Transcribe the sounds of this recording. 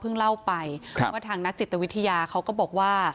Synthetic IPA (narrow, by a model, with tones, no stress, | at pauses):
pʰɯ˥˩ŋla˥˩wpa˧jʰmɯ˥˩ɐt̪ʰaː˧ŋna˦˥k̚t͡ɕi˨˩t̪ːa˧wi˦˥t̪ʰːa˧jaː˧kʰa˦˥wkɔː˥˩bɔː˨˩k̚waː˥˩